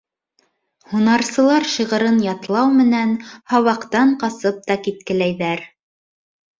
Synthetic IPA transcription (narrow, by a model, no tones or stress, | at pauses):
hunɑɾsɤ̆lˠɑɾʃiʁɤ̆ɾɤnjɑt̪lˠɑwmɘ̆nænhɑwɑqt̪ɑɴqɑsɤp̚t̪ɑkit̪̚kɘ̆læjðæɾ